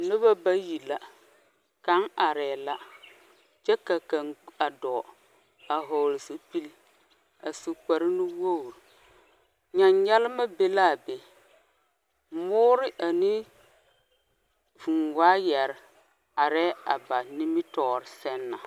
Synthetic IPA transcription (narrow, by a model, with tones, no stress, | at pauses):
nʊ˦βa˦ba˦ji˨la˦ | ka˦ŋa˨ɾɛː˨la˦ | t͡ʃɛ˦ka˨ka˨ŋa˨dɔ˨ | a˨ɦo˨lɪ˨so˨pi˦l | a˨so˨ka˨ɾɪ˦nu˦wo˦˨ɾ | ɲa˨ɲɲɛ˦lɪ˦ma˦be˦la˦˨be˨ | mʊː˦ɾɪ˦ʔa˨ni˦ | vu˨nwaː˦jɛ˨ɾɪ˨ | a˨ɾɛː˦a˨ba˨ni˦mɪ˦tɔː˨ɾɪ˨sɛ˦nːa˨